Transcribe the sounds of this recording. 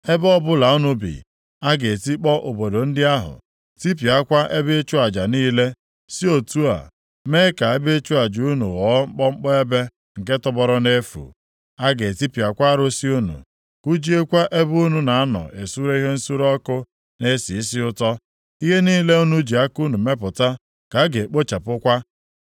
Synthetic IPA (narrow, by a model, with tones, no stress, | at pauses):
e˦bɔ˦bʊ˦la˨u˦nu˦bḭ˨ | a˦ɡe˨ti˦k͡pɔ˦ʔo˨bo˨do˨n̩˦dɪ˦a˦ɦʊ̰˨ | ti˦p̬i˨a˦kʷa˦ʔe˦be˦e˦t͡ʃu˦a˨d͡ʒa˨niː˦le˦ | si˦o˨tu˦a̰˨ | me˦ka˨e˦be˦e˦t͡ʃu˦a˨d͡ʒu˨u˦nṵ˨ɣɔ˨˦ŋ͡m̩˦k͡pɔ˦ŋ͡m̩˦k͡pɔ˦e˦be˦ | ŋ̩˨ke˦tɔ˦bɔ˦ɾɔ˦ne˦fṵ˨ | a˦ɡe˨ti˦pi˨a˨kʷa˦a˦ɾo˦si˦u˦nṵ˨ | ku˦d͡ʒi˦e˦kʷa˦ʔe˦bu˦nu˦na˨a˦nɔ̰˨ʔe˨su˦ɾe˦i˦ɦe˦n̩˦su˦ɾɔ˦kʊ˦ | ne˦si˨i˦sɪ˦ʊ˦tɔ˦ | i˦ɦe˦niː˦le˦u˦nu˦d͡ʒi˨a˦ku˦nu˨me˦pʊ˨ta˦ | ka˨˦ɡe˨k͡po˦t͡ʃa˨pʊ˦kʷa˦